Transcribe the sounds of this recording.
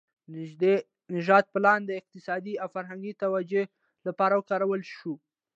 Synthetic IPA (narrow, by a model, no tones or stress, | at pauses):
nɪd͡ʒd̪e | nɪʒɑd̪̚pəlɑnd̪əɪq̚t̪ɪsɑd̪iawfaɾɦaŋɡit̪awad͡ʒo | lapɑɾawəkɑɾawəlʃu